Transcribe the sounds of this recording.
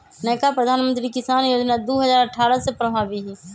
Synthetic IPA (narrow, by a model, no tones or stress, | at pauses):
nɛːkapɾəd̪ʱaːnmə̃nt̪ɾikɪsaːnjoːd͡ʒnad̪oːɦəzaːɾəʈʰaːɾəsepɾəbʱaːʋiɦiː